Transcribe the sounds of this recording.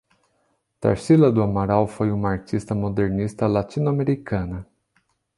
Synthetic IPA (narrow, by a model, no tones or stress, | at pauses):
t̪a̰ɾsilɐd̪ʊamaɾawfojũmɐaɾt͡ʃist̪ɐmod̪eɾnist̪ɐlat͡ʃinuameɾikɐ̃nɐ